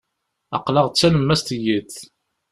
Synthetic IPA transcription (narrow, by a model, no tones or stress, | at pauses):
ɑ̰qlɑʁt͡sːæləmːæst̪jiθ